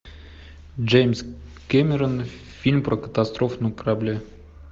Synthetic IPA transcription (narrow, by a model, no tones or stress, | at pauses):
d͡ʒejmʲs | kʲemʲɪɾən | fʲilʲmprokə̥t̪ast̪rofnujkərablʲe